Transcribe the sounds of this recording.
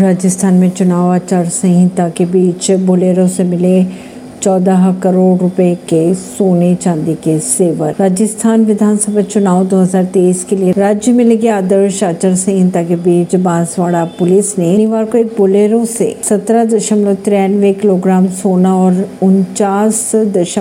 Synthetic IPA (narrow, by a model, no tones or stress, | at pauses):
ɾaːd͡ʒəst̪ʰaːnmẽt͡ʃʊnaːʋaːt͡ʃaɾsɐ̃ɦɪ̃nt̪akebiːt͡ʃboːleːɾõsemɪle | t͡ʃɔːd̪aɦkɐɾoːɖɾʊpekesoːnet͡ʃãːnd̪ikeseːʋəɾɾaːd͡ʒəst̪ʰaːnʋɪd̪ʱaːnsəbʱat͡ʃʊnaːʋd̪oːɦəzaːɾt̪eːiːskelieɾaːd͡ʒjəmẽleɡeaːd̪əɾʃaːt͡ʃəɾsẽɦɪ̃t̪akebiːt͡ʃbãːzʋaːɽapʊlɪsnẽniʋaːɾkoeːk̚boːleːɾõsḛsɐt̪ɾad̪ɐʃəmlot̪ɾɛnʋekɪloːɡɾaːmsoːnaɔːɾʊnt͡ʃaːsd̪ɐʃə